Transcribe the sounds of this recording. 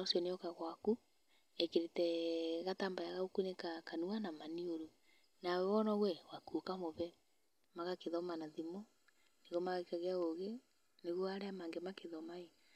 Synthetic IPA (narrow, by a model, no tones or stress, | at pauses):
osiɔneɔkaɣwaku | ekeɾetɛɣatambajaɣaokunekakanuanamanioɾu | nawɛwɔnɔwɛwakokamoβɛ | maɣakeðɔmanaðimɔ | neɣɔmaɣekaɣeaoɣe | neɣwɔaɾeamaːŋɡemakeðɔmae